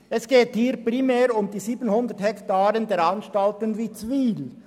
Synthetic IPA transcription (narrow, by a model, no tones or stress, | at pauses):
ʔɛsɡ̥eːthiːɾpʁimɛːɾʊmdiːziːbənhʊnd̪əthɛktaːɾəndɛːɾɑnʃtɑltənviːt͡sviːl